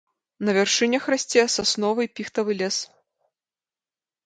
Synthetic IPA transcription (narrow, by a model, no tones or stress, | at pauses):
nɐvʲɛrʂɨnʲɐxrasʲt͡sʲɛsasnɔvɐjpʲixt̪ɐvɨlʲɛs